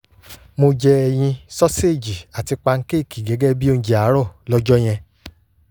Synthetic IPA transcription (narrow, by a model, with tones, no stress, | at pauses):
mo˧d͡ʒɛ˧ɛ˨j̃ĩ˧sɔ˦se˦˨d͡ʒi˨a˨ti˧k͡pa˧ŋ̩˦ke˦˨ki˨ɡɛ˨˦ɡɛ˦bi˦o˧n̩˦d͡ʒi˨a˨˦ɾɔ˦˨lɔ˦d͡ʒɔ˦j̃ɛ̃˧